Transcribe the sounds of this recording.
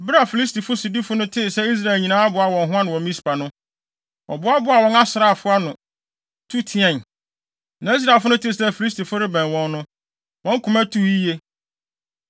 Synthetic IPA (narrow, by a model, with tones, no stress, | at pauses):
bɾa˦˨fi˨li˦s̬ti˨fʊ˦si˨di˦fʊ˦nʊ̃˦tʰɪ˦˨sɛ˦i˦s̬ɾa˦˨e˨lɲĩ˨nãː˦a˦bʊ˨a˨wɔ̃˨nɦʊ̃˦a˦nʊ̃˨wɔ̃˨m˦mĩ˦spa˨nʊ̃˦ | ɔ̰˨bʊ˦a˦bʊ˨˦a˨wɔ̃˨na˦sɾa˨fʊ˦a˦nʊ̃˨ | tʰu˦tʰɪ˨ɛ̃˨n | nã˨˦i˦s̬ɾa˨lfʊ˦nʊ̃˦tʰɪ˦˨sɛ˦˨fi˨li˦s̬ti˨fʊ˦ɾɪ˦bɛ̃˨nwɔ̃˦nːʊ̃˦ | wʔɔ̃˦ŋ̩˦kʰʊ̃˨mæ̃˦tʰu˦i˦je˦